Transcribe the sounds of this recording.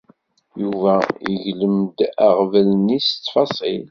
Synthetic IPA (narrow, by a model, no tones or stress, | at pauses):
juvæəʝləmd̪aʁvælnist͡sːfɑsˤil